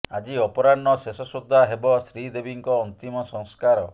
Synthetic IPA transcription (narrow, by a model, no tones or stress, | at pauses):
ad͡ʒiɔpɔɾanːɔsesɔsud̪ʱːaɦebɔsɾid̪ebiŋkɔːnt̪imɔsɔŋskaɾɔ